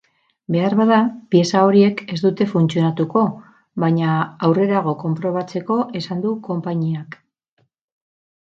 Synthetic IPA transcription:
be̞arβað̞apie̞sao̞ɾie̞ke̞zd̪ut̪e̞funt͡sio̞nat̪uko̞ | βaɲaːwre̞ɾaɣ̞o̞ko̞mpɾo̞β̞at͡se̞ko̞ʔe̞sand̪uko̞mpaɲiak

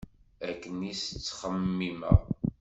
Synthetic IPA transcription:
ækːənist͡sːχəmːimə̰ʁ

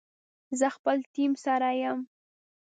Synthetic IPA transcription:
zəxpəlt̪imsaɾajəm

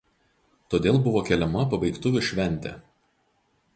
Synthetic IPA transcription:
t̪oːd̪ʲeːlˠbʊʋoːkʲɛlʲɛmɐpɐbɐɪkt̪ʊʋʲʊʃʲʋʲɛnʲt̪ʲɛ̰ːˑ

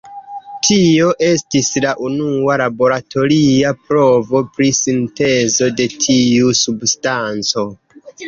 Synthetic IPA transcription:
tʰio̞ʔe̞stislaʔunualabo̞ɾatʰo̞ɾiapɾo̞vo̞pɾisinte̞zo̞de̞tʰiusubstant͡so̞

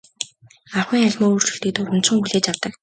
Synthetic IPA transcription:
aχwiːŋaɮʲmɔːuːr̥t͡ɕɵ̥̆ɬt̪ĭːk̚t̪ʊrʊ̆nt͡sɞ̆ŋxuɮeːt͡ɕjawt̪ə̆k

